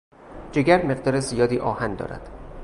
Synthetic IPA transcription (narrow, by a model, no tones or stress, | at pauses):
d͡ʒeɡʲæɾme̞ɢd̪ɒːɾezijɒːd̪iːʔɒːhænd̪ɒ̰ːɾæ̰d̪̥